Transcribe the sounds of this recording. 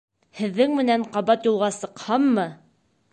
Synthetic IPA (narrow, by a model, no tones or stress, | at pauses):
hɘ̆ðːɘŋmɘ̆næɴqɑβɑt̪julˠʁɑsɤ̆qhɑmːɤ